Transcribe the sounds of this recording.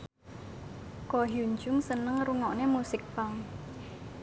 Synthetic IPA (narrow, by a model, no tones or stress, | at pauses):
kɔɦuɲd͡ʒʊŋsənəŋruŋɔʔnemusɪk̚paŋ